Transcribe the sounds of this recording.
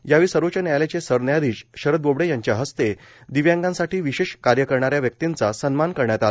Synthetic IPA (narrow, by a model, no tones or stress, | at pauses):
jaʋiːsəɾot͡ɕanjajlet͡ɕesəɾnjad̪iːɕɕəɾəd̪̚bobɽejaɲt͡ɕjaɦəst̪e | d̪iʋjãŋɡãnsaʈiːʋiɕeɕkaɾjəkəɾɳaɾjaʋjək̚t̪int͡sasənmankəɾɳjat̪ala